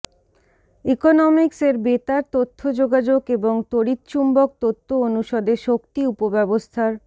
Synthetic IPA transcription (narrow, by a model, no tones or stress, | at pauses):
ikonɔmikseɾbet̪aɾt̪ot̪ʰːod͡ʑoɡad͡ʑokeboŋt̪oɾit̪t͡ɕumbok̚t̪ot̪ʰːoonuʃɔd̪eʃokt̪iupobɛbost̪ʰaɾ